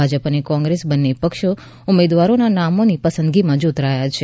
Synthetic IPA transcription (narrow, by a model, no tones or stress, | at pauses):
ad͡ʒəpənekɔ̃ŋɡɾesbənːepəkʃo | ʊmed̪ʋaɾonanamonipəsə̃nd̪ɡimãd͡ʒut̪ɾajat͡ʃʰe